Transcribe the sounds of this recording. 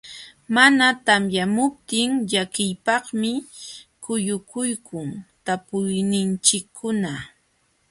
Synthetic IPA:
manat̪amjamʊp̚t̪ɪŋʎakɪjpɑχmɪkʊjʊkʊjkʰʊŋt̪apʊjnɪnt͡ʃɪkʰːʊna

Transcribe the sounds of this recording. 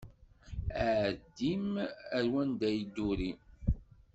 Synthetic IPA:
æʕd̪imæɾwænd̪æjd̪uɾi

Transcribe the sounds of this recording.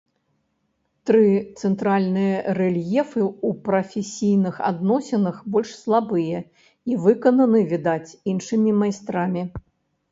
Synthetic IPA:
t̪ɾɨt̪sɛnt̪ɾalʲnɨjɐrɛlʲjɛfɨupɾɐfʲesʲijnɨxa̰d̪nɔsʲɛnɐxbɔlʲʂslˠabɨjɛ | ivɨkɐnɐnɨvʲid̪at͡sʲinʂɨmʲimajst̪ɾamʲi

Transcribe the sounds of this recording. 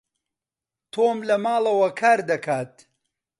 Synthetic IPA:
t̪ʰoːmlɐmaːlˠɐwɐkʰaːɾd̪ɐkʰaːt̪̚

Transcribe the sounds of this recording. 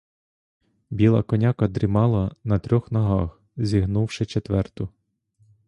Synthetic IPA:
bʲilˠɐ̰kɔnʲɑkɐd̪ɾʲɪmɑlˠɐnɐt̪ɾʲɔxnɐɦɑx | zʲiɦnuwʃɪt͡ʃet̪ʋɛrt̪ʊ

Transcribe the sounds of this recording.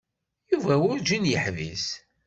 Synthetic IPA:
juvæwʊɾd͡ʒinjəħvis

